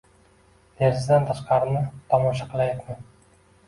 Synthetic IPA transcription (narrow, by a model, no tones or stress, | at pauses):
neɾzd̪ant̪ʰaʃqɑɾɪnɪt̪ʰɒmɒʃɑqɨlˠajat̪man